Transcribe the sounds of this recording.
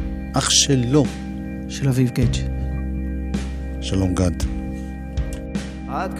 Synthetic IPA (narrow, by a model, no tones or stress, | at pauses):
ʔaχʃelːo | ʃelavivɡet͡ʃ | ʃalomɡad̪ | a